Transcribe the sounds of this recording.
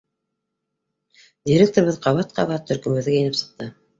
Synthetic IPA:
d̪ʲiɾʲek̚t̪oɾβɤðqʰɑβɑt̪̚qʰɑ̰βɑt̪ʰːɵ̆ɾkɵ̆mbɵ̆ðɡæjɘ̆nɘpsɤ̥̆q̚t̪ɤ

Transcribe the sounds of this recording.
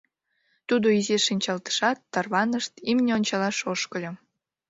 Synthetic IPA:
t̪ud̪oizeʃinʲt͡ɕɑlt̪ə̥ʃɑt̪ːɑrβɑnəʃt̪imnʲeonʲt͡ɕɑlɑʃoʃkəlʲo

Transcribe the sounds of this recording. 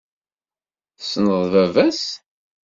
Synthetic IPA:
snəðˤvævæs

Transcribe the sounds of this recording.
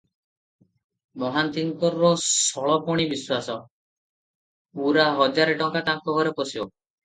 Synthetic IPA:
mɔɦant̪iŋkɔɾːɔsɔɭɔpɔɽ̃ibiswasɔ | uɾaɦɔd͡ʒaɾeʈɔŋkat̪aŋkɔɡʱɔɾepɔsibɔ

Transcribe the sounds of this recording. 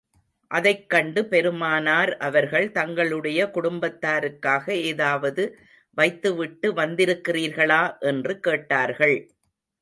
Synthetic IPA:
ʔɐðɐɪkːɐɳɖɯpɛɾɯmaːnaːɾʔɐʋɐɾɣɐɭt̪ɐŋɡɐɭɯɽɐjɐkʊɽʊmbɐt̪ːaːɾɯkːaːɣɐeːðaːʋɐðɯ | ʋɐɪt̪ːɯʋɪʈːɯʋɐnd̪ɪɾɯkːɪriːɾɣɐɭaːʔɛndrɯkeːʈːaːɾɣɐɭ

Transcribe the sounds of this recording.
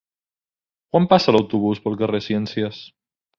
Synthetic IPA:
kwampasalawt̪uβ̞uspəlˠkaresjɛnsjəs

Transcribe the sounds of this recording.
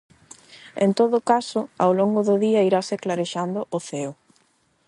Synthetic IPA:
ḛnt̪oðʊkasʊawloŋɡʊðʊðiaiɾaseklaɾeʃand̪ʊʔoθeo

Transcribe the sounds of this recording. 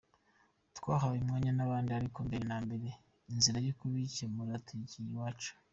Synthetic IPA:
tkwaːɦaβimŋaːɲanaβaːndiaɾikoːmbeɾenaːmbe̞ɾe̞ | inziɾajukuβicemuɾatʰiɟijiwaːt͡ʃu̥

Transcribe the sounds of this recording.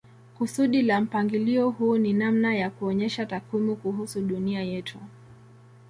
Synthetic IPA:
kusuɗilam̩paŋɡiliɔhuːninamnajakuɔɲɛʃatakwimukuɦusuɗuniajɛtʰu

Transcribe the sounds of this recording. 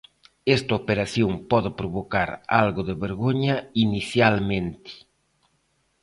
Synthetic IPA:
ɛst̪ɐopeɾaθjoŋpɔðɪpɾoβokaɾa̰lɣʊðɪβeɾɣoɲɐiniθjalmẽnt̪ɪ̥

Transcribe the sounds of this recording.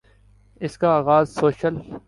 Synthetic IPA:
ɪskaaːɣaːzsoːʃəl

